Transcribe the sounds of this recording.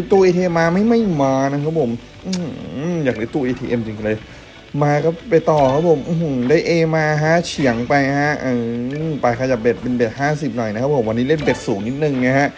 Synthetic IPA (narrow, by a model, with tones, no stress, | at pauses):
t̪uː˧ʔeː˧t̪ʰiː˧ʔe˧mːaː˧ma˥˩jma˥˩jmaː˧na˦˥kʰa˦˥pʰo˩˦m | ʔɯ˧˩˥jaː˨˩k̚daː˨˦t̪uː˧ʔeː˧t̪ʰiː˧ʔe˧mt͡ɕi˧ŋklɤː˧j | maː˧kɔː˥˩pa˧jt̪ɔː˨˩kʰa˦˥pʰo˨˩˦mʔu˧˩hdaː˥˩jʔeː˧maː˧ɦa˦˥t͡ɕʰi˨˩˦əŋpa˧jha˦˥ʔɯː˧˩˥paː˨˩jkʰa˧ja˨˩p̚be˨˩t̪̚pe˧nbe˨˩t̪̚haː˥˩si˨˩p̚nɔ˨˩jna˦˥kʰa˦˥pʰo˩˦mwa˧nːiː˦˥le˥˩nbe˨˩t̪̚suː˩˦ŋni˦˥t̪̚nɯ˨˩ŋna˦˥kʰa˦˥ʔ